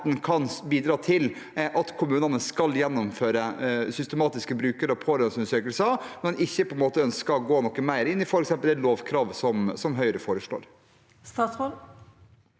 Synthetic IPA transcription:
t̪n̩kʰɑnbiːd̪ɾɑːt̪ʰɪl | ʔɑt̪kʰʊmʉːnənəskɑljɛnːʊmføːɾəsʏst̪əmɑːt̪ɪskəbɾʉːkəɾɔpʰoːɾɛnsʉnəʂøːkəlsɑmɛnɪçːəpʰɔɛnmoːt̪əœnskəɔɡoːnɔkːəmæɪɾɪnːɪfɔɾɛksɛmpəlæloːʋkʰɾɑːʋsɔmsɔmɦœʏɾəfoːɾəʂɭo̰ːɾ | st̪ɑsɔ

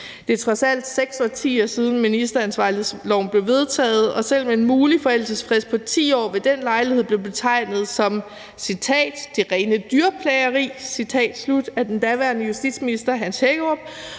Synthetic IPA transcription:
d̥e̝t͡sʰʁɑsæl̰d̥seɡ̥sɒt͡sʰḭːɒsið̞ˠn̩minisd̥ɐænsʋɑ̈lð̩ˠslɒʊ̰n̩b̥le̝ʊʋe̝ð̞ˠt͡sʰɛ̰ːð̞̩ˠɒ̽sel̰meenmuːlifɒ̽el̰səsfʁesd̥̚pʰɒ̽t͡sʰḭːɒ̰ːʋe̝d̥enlɑ̈ɪlihe̝̰ble̝ʊb̥e̝t͡sʰɑ̈ɪ̰nð̞̩ˠsɒ̽m | sit͡sʰɛ̰ːd̥d̥e̝ʁɛːnəd̥yɐpʰlɛɪɐʁḭːsit͡sʰɛ̰ːd̥slud̥æɐd̥end̥æʋæɐnəjusd̥ḭd̥sminisd̥ɐɦænsheɡ̥əɒb̥̚

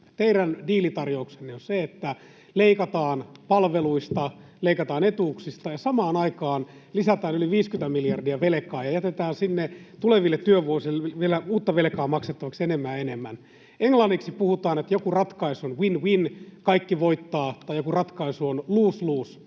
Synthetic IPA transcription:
t̪eiɾændiːlit̪ɑrjouksenːeonseet̪ːæ | leikɑt̪ɑːnpɑlʋeluist̪ɑleikɑt̪ɑːnet̪uːksist̪ɑjɑsɑmɑːnɑikɑːn | lisæt̪æːnyliʋiːskynt̪æmiljɑrdiæʋelekɑːjɑjæt̪et̪æːnsinːet̪uleʋilːet̪tyøʋʋuosilːeʋielæuːt̪ːɑʋelkɑːmɑkset̪ːɑʋɑksenemːæːenemːæn | eŋlɑnːiksipuhut̪ɑːnet̪jokurɑt̪kɑisuonwinwinkɑikːiʋoit̪ːɑːt̪ɑjokurɑt̪kɑisuonluːsluːs

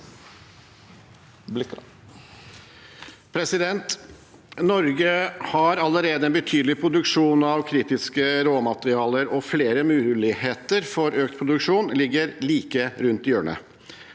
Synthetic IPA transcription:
pʰɾɛsɪd̪ɛnt̪ | nɔɾɡəhɑɾɑləɾeːd̪əɛnbət̪ʰyːd̪l̩ɪpʰɾʊd̪ʉkʂuːnɑʋkʰɾiːt̪ɪskəɾoːmɑt̪əɾɪɑːləɾɔfleːɾəmʉːlɪheːt̪əɾfɔɾøːk̚t̪̚pʰɾʊd̪ʉkʂuːnlɪɡːəɾliːkəɾʉnt̪ɪøːɳə̰

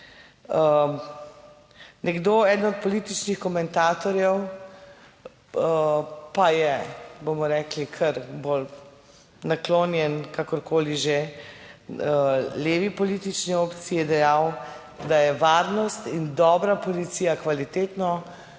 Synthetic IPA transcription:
ə | nɛɡd̪oːɛːd̪nɔt̪̚pɔlit̪it͡ʃnixkɔmɛnt̪aːt̪ɔɾjɛw | pajɛbomɔɾɛːklikʰəɾbol | naklonjɛnkakɔɾkoːliʒe | leːʋipɔliːt̪it͡ʃnioːpt̪siːjɛd̪ɛjaw | d̪ajɛʋaɾnɔst̪ind̪ɔːbɾapɔlit̪sijakʋalit̪eːt̪nɔ

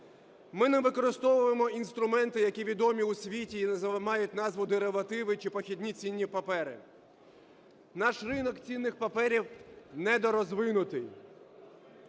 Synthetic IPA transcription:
mɪnɛʋɪkɔɾɪst̪ɔʋʊjemɔinst̪ɾʊmɛnt̪ɪjɐkʲiʋʲid̪ɔmʲiusʲʋʲitʲiːnɐzmɑjʊtʲnɑzʋʊd̪eɾeʋɐt̪ɪʋɪt͡ʃɪpɔxʲid̪ʲnʲit͡sʲinʲːipɐpɛɾɪ̰ | nɑʃrɪnɔkt͡sʲinːɪxpɐpɛɾʲiwnɛd̪ɔɾɔzʋɪnʊt̪ɪj

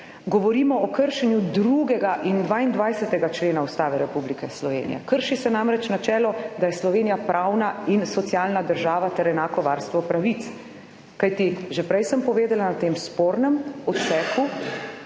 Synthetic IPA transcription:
ɡɔʋɔɾiːmɔɔkəɾʃɛnjud̪ɾuɡɛɡaʔind̪ʋaːind̪ʋajsɛt̪ɛɡat͡ʃleːnaust̪aːʋɛɾɛpublikɛslɔʋḛːnijɛ̰kəɾʃisɛnamɾɛt͡ʃnat͡ʃɛːlɔd̪ajɛslɔʋeːnijapɾʔawnainsɔt̪sijalnad̪əɾʒaːʋat̪ɛɾɛnaːkɔʋaɾst̪ʋɔpɾaʋit̪s | kajt̪iʒɛpɾɛjsəmpɔʋeːd̪ɛlanat̪eːmspoːɾnɛmɔt̪sɛːku

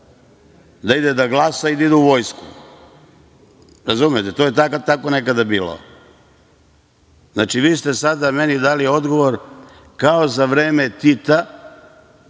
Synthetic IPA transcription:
d̪aid̪ed̪aɡlˠasaid̪aid̪ɛuʋo̞jskṵ | ɾazumjet̪et̪oːjet̪akat̪ako̞ne̞kad̪abiːlo̰ | znaːt͡ʃiʋiːst̪e̞sad̪ame̞nid̪aːlieo̞d̪ɡo̞ʋo̞ɾ | kao̞zaʋɾe̞ːmet̪it̪a

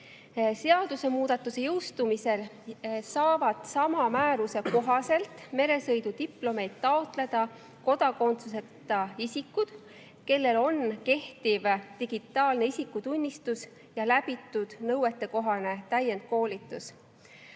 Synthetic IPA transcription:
se̞ɑd̪̥use̞muːd̪̥ɑt̪ːˑuse̞jɤwst̪umise̞l | sɑːvɑd̪̥sɑmɑmæːɾuse̞ko̞ɦɑse̞lt̪ˑme̞ɾe̞sɤjd̪ut̪iplo̞me̞jd̪̥t̪ːɑo̞t̪ˑle̞d̪̥ɑ | ko̞d̪̥ɑko̞nt̪suse̞t̪ːˑɑisikːud̪̥ | ke̞lːe̞lo̞nke̞ht̪ivt̪iɡ̥it̪ːˑɑːlne̞isikːˑut̪unʲːist̪us | jɑlæbit̪ːˑud̪̥nɤwe̞t̪ːˑe̞ko̞ɦɑne̞t̪æjːe̞nd̪̥̚ko̞ːlʲit̪ːˑus

